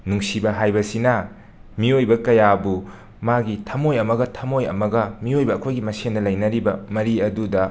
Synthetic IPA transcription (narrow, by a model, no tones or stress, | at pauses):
nuŋsibɐɦajbɐsinɐ | miojbɐkɐjabu | maɡitʰɐmojɐmɐɡɐtʰɐmojɐ̰mɐɡɐmiojbɐːkʰojɡimɐsendɐlɐjnɐɾibɐmɐɾiɐdudɐ